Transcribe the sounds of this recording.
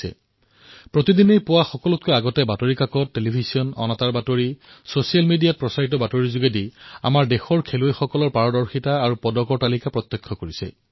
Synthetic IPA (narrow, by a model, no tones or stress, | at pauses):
ɛ̰ | pɹotidinejpʊwaxɔkɔlɔt̚kojaɡɔtɛbatoɹikakɔtːelibʱiziɔnɔ̰nataɹbatoɹi | sosijalmidijat̚pɹɔsaɹitɔbatoɹizuɡedia̰maɹdexɔɹkʰelojxɔkɔlɔɹpaɹɔdɔɹxitaːɹupɔdɔkɔɹtalikapɹɔt̪ːɔkʰːɔkoɹisɛ̰